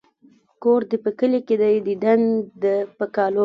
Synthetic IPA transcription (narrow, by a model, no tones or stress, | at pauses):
koɾd̪əpəkəleked̪ajd̪iɖ̪and̪əpəkɑlo